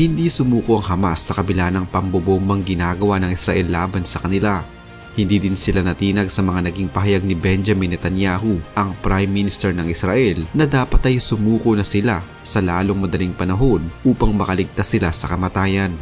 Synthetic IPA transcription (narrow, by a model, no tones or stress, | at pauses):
hɪnd̪isʊmuːkoʔɐŋɦɐma̰sːɐkɐbɪlaːnɐŋpɐmbobombɐŋɡɪnaːɡɐwanɐŋɪsɾɐʔɛlːaːbɐnsɐkɐnɪla | hɪnd̪iːd̪ɪnsɪlanɐt̪iːnɐɡsɐmɐŋanɐɡiŋpɐɦɐjaɡ̚nɪbɛnd͡ʒɐminɛt̪ɐnjaːɦuʔɐŋpɾajmːinɪst̪ɛɹnɐŋʔɪsɾɐʔɛlnɐd̪aːpɐt̪ɐjsʊmuːkonɐsɪla | sɐlaːlo̞ŋmɐd̪ɐliŋpɐnɐɦo̞nʔuːpɐŋmɐkɐlɪɡ̚t̪asɪlasɐkɐmɐt̪aːjɐn